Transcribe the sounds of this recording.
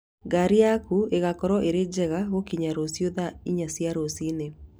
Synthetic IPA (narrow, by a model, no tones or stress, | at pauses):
ɡaɾiakueɣakɔɾɔʔeɾed͡ʒɛɣaɣokiɲaɾosjoðaiɲasjaɾosine